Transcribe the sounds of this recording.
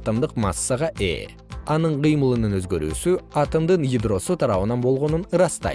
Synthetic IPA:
t̪əmd̪ɯqmɑ̰sːəʁɑʔḛ | ɑnɯɴqijmɯlˠɯnɯnøzɡø̞ɾy̰ːsyɑt̪əmd̪ɯnjid̪ro̞sut̪ʰɑɾɑβɯnɑnbo̞lˠʁo̞nunɯɾɑst̪ɑ̰j

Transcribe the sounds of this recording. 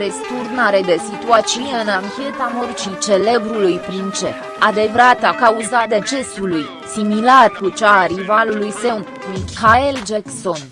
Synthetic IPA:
ɾe̞st̪urnaɾe̞d̪e̞sit̪uat͡ʃiuneɨnaŋkʲe̞t̪amort͡ʃit͡ʃe̞le̞bɾulujpɾint͡ʃe̞̰ | ad̪e̞vɾat̪akauzad̪e̞t͡ʃe̞suluj | similarkut͡ʃaɾivalulujse̞n | mihaeld͡ʒekso̞n

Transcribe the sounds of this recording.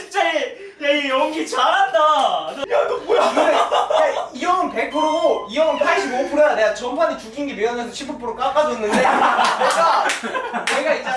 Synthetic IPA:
t͡ɕʰit͡ɕ͈a | neɡejʌŋɡit͡ɕaɾandaʌjanobojie | iʌɯnpekʰɯɾoiʌɯnpʰaɭɕʰibopʰuɾaneɡat͡ɕʌmpʰanit͡ɕuɡinɡemeʌmʌnsʰʌt͡ɕʰipʰɯp͈ʰoɾok͈ak͈adoinːɯnde̞nneɡa | ne̞ɡait͡ɕ͈a

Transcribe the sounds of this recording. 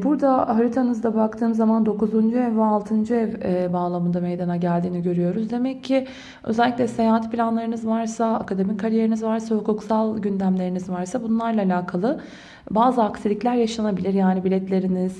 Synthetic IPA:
buɾd̪aɦaɾit̪ʰanɯzd̪abak̚t̪ʰɯːmɯzːamand̪o̞kuzund͡ʒuɛvːɛalˠt̪ʰɯnd͡ʒuɛvɛbaːlˠamɯnd̪ame̞jd̪anaɟælʲd̪iːniɟø̞ɾyjo̞ɾuzd̪e̞mɛcʰːɪ | øzɛlʲːicʲlʲɛse̞jaːɦat̪pʰilʲanlˠaɾɯnɯzvaɾsaakad̪e̞mickʰːaɾije̞ɾinizvaɾsahukuksalˠɟynd̪æmlʲe̞ɾinizvaɾsabunlˠaɾlˠaːlʲaːkʰalˠɯ | baːzɯaksilʲiclʲæɾjaʃanabilʲiɾjaːnibilʲɛt̪lʲe̞ɾiniz̥

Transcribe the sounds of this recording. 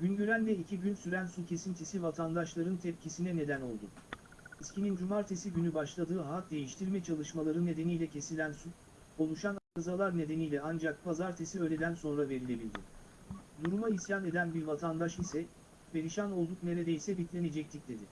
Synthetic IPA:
ɟ̥ynɟyɾænd̪ɛicʰiɟynsyɾænsucʰe̞sint̪ʰisivat̪ʰand̪aʃlˠaɾɯnt̪ʰɛp̚cʰisinɛne̞d̪æno̞̰lˠd̪ʊ̰ | iscʰinind͡ʒumaɾt̪ʰesiɟynybaʃlˠad̪ɯːɦat̪̚d̪e̞jiʃt̪ʰiɾmɛt͡ʃʰalˠɯʃmalˠaɾɯnːe̞d̪e̞nijlʲɛcʰe̞silʲænsu | o̞lˠuʃanakazalˠaɾne̞d̪e̞nijlʲɛand͡ʒak̚pʰazaɾt̪ʰesiø̞ːlʲe̞d̪ænso̞nɾave̞ɾilʲe̞bilʲd̪ɪ | d̪uɾumaisjane̞d̪ænbiɾvat̪ʰand̪aʃisɛ | be̞ɾiʃano̞lˠd̪ukne̞ɾed̪ejsɛbit̪lʲe̞ned͡ʒɛc̚t̪ʰicd̪e̞d̪ɪ

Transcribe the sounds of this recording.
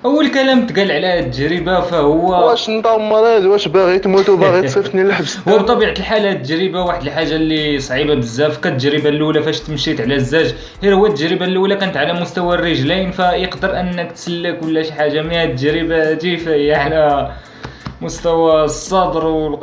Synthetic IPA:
ʔəwːəlkælæmt̪ɡælʕlæt̪ːəʒɾəbafæhʊwːææʃnt̪ˤɑmːɑɾˤid̪wæʃbæɣit̪mut̪bæɣisˤift̪nilaħbhʊwːæbt̪ˤɑbiʕat̪əlħalat̪ːəʒɾəbawaħd̪əlħaʒːalːisˤʕibabəzːæfkæt̪ːəd͡ʒɾəbalːulæfæʃt̪mʃit̪ʕlæzːæʒ | hiɾhʊwːæt̪ːəʒɾəbalulækænət̪ʕalæmʊst̪æwærːəʒlinfæjəqd̪əɾʔənːəkt̪səlːəkwəlːæʃħaʒːamihæt̪ːəʒɾəbad̪ifæhəjːæʕalæ | mʊst̪æwæsˤːɑd̪ɾw

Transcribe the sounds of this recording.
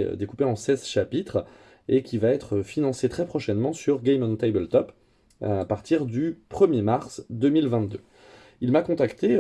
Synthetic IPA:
ø̰d̪ekupeɑ̃sɛzʃapit̪χ | ekʲivaɛt̪χəfinɑ̃set̪χɛpχɔʃɛnmɑ̃syʁɡɛjmɑ̃nt̪ɛjbəlt̪ɔp | apaʁt̪iʁd̪ypχəmjemaʁsd̪ømilvɛ̃t̪̚d̪ø | ilmakɔ̃t̪akt̪e

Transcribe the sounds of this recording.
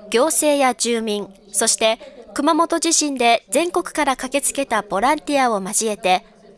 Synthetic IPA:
ɡ̥ʲo̞ːse̞ːjad͡ʑɨːmʲĩŋ | so̞ɕi̥t̪e̞kɯ̟mamo̞t̪o̞ʑiɕĩnd̪e̞d͡zẽ̞ŋko̞kɯ̟̥kaɾakake̞t͡sɨ̥ke̞t̪ab̥o̞ɾãnt̪ʲiao̞maʑie̞t̪e̞

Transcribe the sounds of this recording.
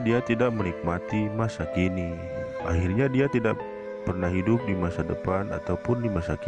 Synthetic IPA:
diat̪idaʔmənik̚mat̪imasakini | ʔa̰hirɲadiat̪idaʔ | pərnahɦidʊp̚dimasadəpana̰t̪awpʊndimasak

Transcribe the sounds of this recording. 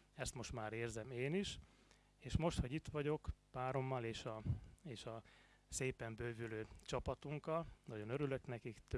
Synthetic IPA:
ɛst̪mo̞ʃt̪maːɾeːrzɛmeːniʃ | eːʃmo̞ʃt̪ho̞ɟit̪ʋɒɟo̞kpaːɾo̞mːɒleːʃɒeːʃɒ | seːpɛmbøːvyløːt͡ʃɒpɒt̪uŋkɒlnɒɟo̞nøɾylø̞knɛkikt̪

